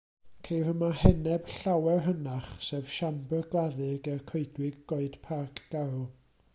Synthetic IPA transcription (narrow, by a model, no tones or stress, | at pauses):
kʰejrəmahɛnɛb̥ɬawɛrɦənaχsɛvʃambərɡlˠaðɪɡɛrkʰoɨdwɪɡːoɨd̥pʰakʰɡ̥alˠ